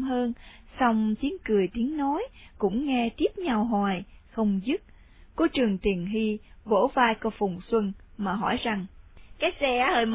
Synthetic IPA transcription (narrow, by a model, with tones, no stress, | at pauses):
ɦəː˧n | sa˧wŋ͡mt͡ɕi˨˦ənkɨ˨˩əjt̪i˨˦əŋno˨˦jkʊ̰˧˥ŋ͡mŋɛ˧t̪i˦˥əp̚ɲa˧˩wɦwaː˨˩jxə˧wŋ͡mzɨ˦˥t̚ | ko˨˧˦t͡ɕɨ˨˩əŋt̪i˨˩ənɦi˧vo̰˧˥vaː˧jkɔ˧fʊ˨˩wŋ͡mswə˧nmaː˨˩ɦɔ˧˩jza˨˩ŋkaː˨˦jsɛ˧aː˨˦həː˧jm